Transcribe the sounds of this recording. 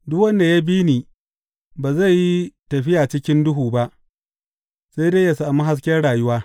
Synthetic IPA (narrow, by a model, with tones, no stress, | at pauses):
dʊ˦kwɐ˦nda˨ja˦biː˦niː˨ | baː˨za˦˨ji˦tɐ˨ɸɪ˦jaː˨t͡ʃɪ˦kʲɪ˦ndʊ˦ɦuː˨ba˦ʔ | se˦jdeː˦ja˨saː˨mu˦ɦa˦s̬kʲɛ˦rɽaː˨jʊ˦waː˦